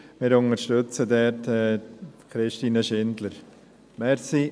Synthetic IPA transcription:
mɪːɾʊnəɾʃtøt͡sədɛɾtɛkʰɾɪʃtiːnəʃɪndləɾ | mɛɾsi

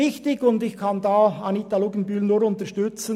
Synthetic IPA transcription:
ɪçtɪɡʊndɪçkʰɑndɑːɑnit̪aluɡənbyːlnuːɾʊnt̪əʃtʏt͡sə

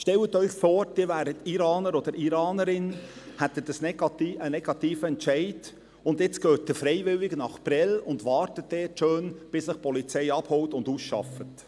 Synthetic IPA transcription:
ʃtɛwət̪œʏχfoːɾd̥ɪvæːɾətiɾɑːnəɾɔd̪əɾʔiɾɑːnəɾɪn | hɛt̪ːətəsnɛɡɑtiənɛɡ̥ɑtiːfəɛntt͡ʃɛɪd | ʊndjɪt͡sɡ̥øːt̚dɪfɾɛɪvɪlɪɡənɑχpɾɛlʊndʋɑːɾtət̚d̥ɛːtʃøːnb̥ɪsɪχpɔlit͡sɛɪɑbhɔwtʊndusʃɑ̰fət

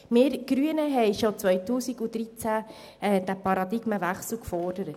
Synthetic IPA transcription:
mɪːɾɡ̥ɾyənəɦɛjʃot͡sʋœjtuːsiɡud̥̪ɾit͡sæ | ɛːd̥æpɑɾɑd̪iɡ̥məʋæχsl̩ˠkfɔrd̥əɾət

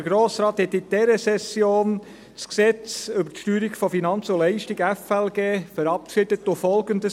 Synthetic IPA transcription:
əɡɾoːsɾɑːt̪hɛt̪ːid̥ɛɾəsɛsjoːn | t͡sksɛt͡sʏbətʃtyːɾiɡfɔfinɑnt͡solɛɪʃtiɡɛfɛlɡeːfəɾɑpʃɪd̥ətːofɔlɡəndə

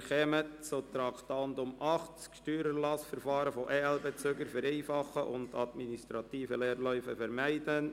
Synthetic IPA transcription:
χɛmətt͡sot̪ɾɑkt̪ɑndʊmʔɑχt͡skʃtyːɾəlɑsfəɾfɑːɾəfoʔɛːɛlbɛt͡søɡəɾfəɾeɪfɑχəʔʊndɑd̪ministɾɑtiːfəlɛːɾlœʏfəfɛɾmæɪd̥ən

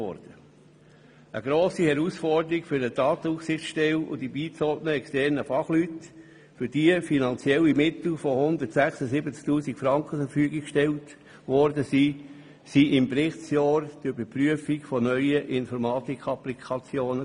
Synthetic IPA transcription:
ɔ̰ɾd̥ə | əɡ̥ɾoːsihɛɾusfɔrdəɾikfʏɾdədɑːt̪əufsɪχt͡sʃtɛlʊ̰d̥ibiːt͡sɔdnəɛkstɛɾnəfɑχlyt | fʏɾdiəfinɑnt͡sjɛlːimɪt̪l̩fɔhʊnd̪ətsæχsəsibət͡sk̚tuːsikfɾɑŋkχəfəɾfyəɡikkʃtɛlt | ʋɔɾdəsi | siʔɪmpɾɪχt͡sjɑːɾd̥̪yb̥əɾpryəfikfɔnœʏəʔɪnfɔɾmɑːt̪ikχɑplikʰɑt͡sjoːnə

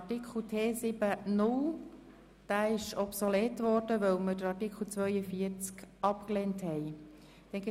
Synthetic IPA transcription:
tikʰl̩tʰeːsɪb̥ənʊl | d̥æːɪʃɔpsoleːtvɔɾd̥əʋœlmədəɾɑtikχl̩ˠt͡svœʏəfiːəɾt͡skɑpkleːnthɛj | d̥ɛnɡɪ

